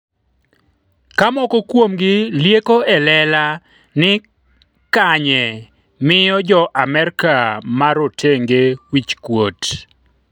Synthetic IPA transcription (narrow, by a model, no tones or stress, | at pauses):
kamɔkɔkwomɡɪljekoɛlɛla | nɪ | kaɲɛ | mɪjɔd͡ʒɔʔamɛrkamaɾotʰeŋɡewit͡ʃkwot